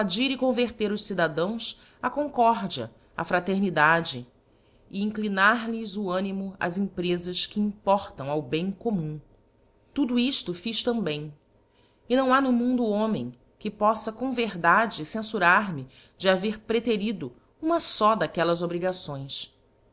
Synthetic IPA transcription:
ad͡ʒiɾɪkõveɾt̪eɾʊʃsid̪ad̪ɐ̃w̃s | ɐkõŋkɔɾd͡ʒiɐ̰ | ɐ̰a̰fɾat̪eɾnid̪ad͡ʒɪ | ɪĩŋklinaɾlɪzʊɐ̃nimʊɐ̰zĩpɾezɐskɪĩmpɔɾt̪ɐ̃w̃awbẽj̃komũ | t̪ud̪uiʃt̪ʊfiʃt̪ɐ̃mbẽj̃ | ɪnɐ̃w̃anʊmũnd̪ʊõmḛ̃j̃ | kɪpɔsɐkõw̃veɾd̪ad͡ʒɪsẽsuɾaɾmɪ | d͡ʒɪaveɾpɾet̪eɾid̪ʊ | ũmɐsɔd̪akɛlɐzobɾiɡasõj̃s

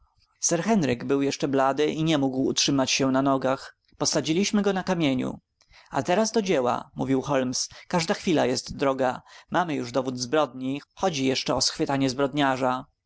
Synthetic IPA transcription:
sɛɾxɛnɾɘɡbɘwjɛʂt͡ʂɛblad̪ɘʔiɲɛmuɡwṵtʂɘmat͡ɕɕɛnanɔɡax | pɔsad͡ʑilʲiɕmɘɡɔnakamʲjeɲṵ | a̰t̪ɛɾazd̪ɔd͡ʑɛwa̰muvʲiwxɔlmskaʐd̪axfʲilajɛst̪d̪ɾɔɡamamɘjuʐd̪ɔvud̪zbɾɔd̪ɲixɔd͡ʑijɛʂt͡ʂɛɔsxfɘt̪aɲɛzbɾɔd̪ɲaʐa

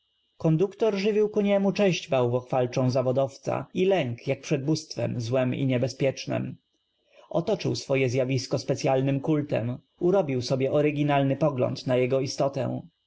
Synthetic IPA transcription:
kɔnd̪ukt̪ɔɾʐɘvʲiwkuɲɛmut͡ʂɛɕd͡ʑbawvɔxfalt͡ʂɔ̃w̃zavɔd̪ɔft̪sa̰ilɛŋkjak̚pʂɛd̪̚bust̪fɛ̰mzwɛmḭɲɛbɛspʲjɛt͡ʂnɛ̰m | ʔɔt̪ɔt͡ʂɘ̰wsfɔjɛzʲjavʲiskɔspɛt̪sʲjalnɘmkult̪ɛ̰m | uɾɔbʲiwsɔbʲjɛʔɔɾɘɡʲinalnɘpɔɡlɔ̰nt̪najɛɡɔist̪ɔt̪ɛ̰̃w̃

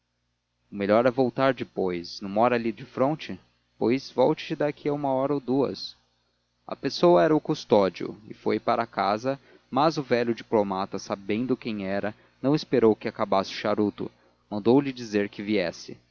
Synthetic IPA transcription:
ʊmeʎɔɾɛvowt̪aɾd͡ʒɪpojsnɐ̃mɔɾɐaːlid͡ʒɪfɾõnt͡ʃɪ | pojzvɔwt͡ʃɪ̥t͡ʃɪd̪akʰiaũmɐɔɾɐowd̪uɐ̰s | ɐ̰pesowɐɛɾɐʊkust̪ɔd͡ʒiʊ̰ɪ̰fojpaɾɐaka̰zɐ | mɐzʊvɛʎʊd͡ʒiplomat̪ɐsabẽnd̪ʊkẽj̃ɛɾɐ | nɐ̃w̃ɪspeɾowkɪakabasɪʊ̥ʃaɾut̪ʊ̰ | mɐ̃nd̪owlɪd͡ʒizeɾkɪviɛsɪ

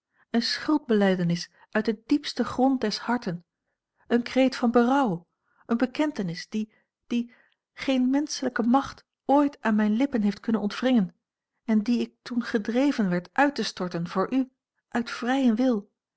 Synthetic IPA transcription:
ənsχʏlˠd̚bəlɛjdənɪs | ʔœɥt̚dədipstəχrɔnt̚dɛshɑɹtən | ʔənkrejtfɑnbərɑw | ənbəkɛntənɪsd̥i | d̥i | χejnmɛnsələkəmɑχt | oːjtʔaːnmɛjnlɪpənɦejftkɵnənɔntfrɪŋən | ɛndiɪk̚tunχədrejvənʋɛɹtʔœɥtəstɔɹtənv̥ʊːɹʔy | ʔœɥtfrɛjənʋɪlˠ

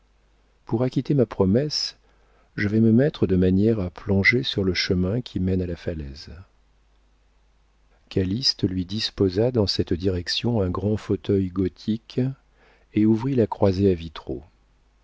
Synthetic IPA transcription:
puʁakʲit̪emapχɔmɛs | ʒəvɛməmɛt̪χəd̪əmanjɛʁaplɔ̃ʒesyʁləʃəmɛ̃kʲʰimɛnalafalɛz | kalist̪lɥid̪ispozad̪ɑ̃sɛt̪d̪iʁɛksjɔ̃ɛ̃ɡʁɑ̃fot̪œjɡɔt̪ʰik | euvʁilakχwazeavit̪χo̰

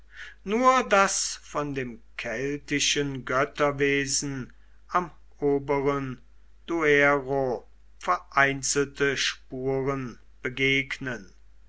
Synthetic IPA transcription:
nuːɐdasfɔndeːmkʰɛltɪʃənɡœtɐveːzn̩ | am | oːbəʁən | d̥ueʁo | fɛɐʔaɪnt͡sl̩təʃpuːʁən | b̥əɡeːknən

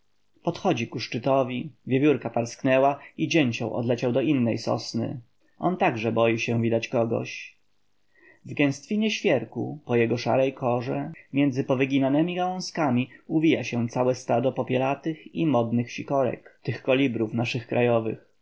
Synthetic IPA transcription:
pɔt̪xɔd͡ʑikuʂt͡ʂɘt̪ɔvʲivʲjevʲuɾkapaɾsknɛwaid͡ʑɛɲt͡ɕɔ̰̃w̃ʔɔ̰d̪lɛt͡ɕawd̪ɔʔinːɛ̰jsɔ̰snɘ̰ | ɔ̰nt̪aɡʐɛbɔjiɕɛ̃vʲid̪at͡ɕkɔɡɔ̰ɕ | vɡɛ̃w̃st̪fʲiɲɛɕfʲjɛɾkṵpɔjɛɡɔʂa̰ɾɛjkʰɔʐɛmʲjɛnd̪zɘpɔvɘɡʲinanɛmʲiɡawɔ̃skamʲiuvʲijaɕɛ̃t̪sawɛst̪ad̪ɔpɔpʲjɛlat̪ɘximɔd̪nɘxɕikɔɾɛ̰kt̪ɘxkɔlʲibɾufnaʂɘxkɾʔajɔvɘ̰x

